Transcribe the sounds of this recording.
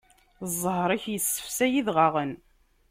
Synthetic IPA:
zˤːəhɾˤiçjəsːə̥fsæjiðʁaʁən

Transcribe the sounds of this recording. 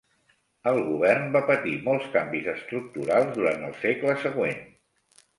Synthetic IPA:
əlˠɣuβɛrnbapət̪imɔlˠskambizəst̪ɾuk̚t̪uɾalˠzðuɾant̪əlˠsekləsəɣwen

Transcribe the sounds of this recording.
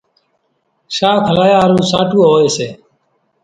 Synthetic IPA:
ʃaːt̪ʰəlaːjaːɾũːsaːʈʰuːɦoːeːseː

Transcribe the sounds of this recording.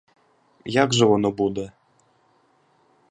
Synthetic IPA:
jaɡʐɛvɔnɔbud̪ɛ

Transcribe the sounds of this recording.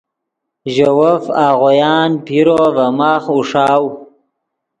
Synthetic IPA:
ʒawafaːɣojɑːnpʰiɾovamaːχuʂɑːw

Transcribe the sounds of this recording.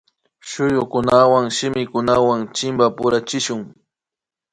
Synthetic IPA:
ʃʊjʊkʊnawaŋʃɪmɪkʊnawaŋt͡ʃɪmbapʊɾat͡ʃɪʃʊŋ

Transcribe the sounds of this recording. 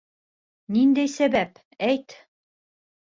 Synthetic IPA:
nind̪æjsæbæp | æjt̪

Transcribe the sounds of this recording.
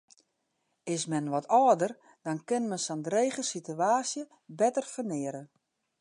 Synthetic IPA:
ɪsmɛnʋɔtʰɔːdər | d̥ɔnkɪnmɛnsɔndɾeːɣəsityaːsjə | bɛtərfərnɪəɾə

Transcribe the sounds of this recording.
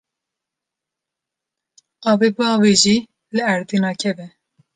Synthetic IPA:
ɑːbebuɑːweʒi | lɨæɾd̪inɑːkʰɛbɛ

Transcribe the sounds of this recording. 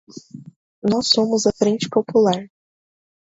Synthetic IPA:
nɔsːõmʊzɐfɾẽnt͡ʃɪ̥populaɾ

